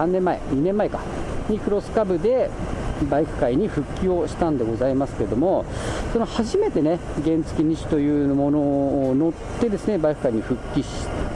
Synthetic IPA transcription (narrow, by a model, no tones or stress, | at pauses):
ãnːẽ̞mːaḛɲ̟inẽ̞mːae̞ka | ɲ̟ʲikɯ̟ɾo̞sɨ̥kabɯ̟d̪e̞baikɯ̟̥kaiɲ̟iɸɯ̟kʲːio̞ɕi̥t̪ãnd̪e̞ɡo̞zaimasɨ̥keed̪o̞mo̞so̞no̞haʑime̞t̪e̞ne̞ | ɡẽ̞nt͡sɨ̥kʲiɲ̟iɕi̥t̪o̞jɯ̟ːmo̞no̞no̞t̪ːe̞d̪esɨne̞baikɯ̟kaiɲ̟iɸɯ̟kʲːiɕi̥